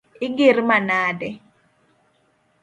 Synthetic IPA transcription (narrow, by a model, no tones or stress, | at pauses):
ɪɡɪrmanadɛ